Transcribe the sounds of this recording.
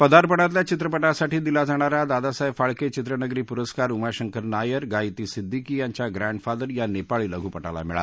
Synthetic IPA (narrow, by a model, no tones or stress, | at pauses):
pəd̪aɾpəɽ̃at̪ljat͡ɕit̪ɾəpəʈasaʈiːd̪ilad͡zaɽ̃aɾad̪ad̪asəjfaɭket͡ɕit̪ɾənəɡɾiːpuɾəskaɾumaɕəŋkəɾnajəɾɡajit̪iːsid̪ʱːikijaɲt͡ɕjaɡɾãɳɖfad̪əɾjanepaɭiːləɡʱupəʈala̰miɭa̰t̪